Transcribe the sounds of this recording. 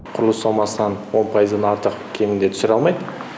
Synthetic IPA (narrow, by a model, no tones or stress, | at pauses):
qʰʊɾəlˠəsɑlˠmɑsənɑnwo̞npʰɑjəzd̪ɑnɑɾt̪əqkʲʰe̞mɪnd̪e̞t̪ʰʏsɪɾɑlˠmɑjd̪ə